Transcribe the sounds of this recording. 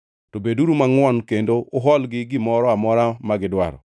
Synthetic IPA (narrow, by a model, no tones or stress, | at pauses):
tobeduɾumaŋwɔnkendoːɦɔlɡɪɡɪmɔɾɔamɔɾamaɡɪdwa̰ɾɔ̰